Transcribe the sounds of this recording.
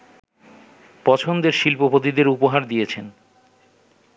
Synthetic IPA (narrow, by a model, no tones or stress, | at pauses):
pɔt͡ɕʰond̪eɾʃilpopot̪id̪eɾupoɦaɾd̪ijet͡ɕʰen